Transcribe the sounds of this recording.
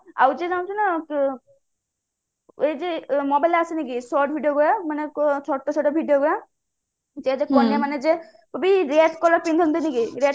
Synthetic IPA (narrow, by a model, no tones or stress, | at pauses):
a̰wd͡ʒed͡ʒaw̃t͡ʃʰinak | ed͡ʒemɔbajlasinikisɔʈ̚bʱiɖijoɡɔɽamanekt͡ʃʰɔʈːɔt͡ʃʰɔʈɔbʱiɖijoɡɔɾa | d͡ʒed͡ʒekɔnjamaned͡ʒe | pɔbiɾeʈ̪kɔlɔɾpind̪ʱɔnt̪inikiɾeʈ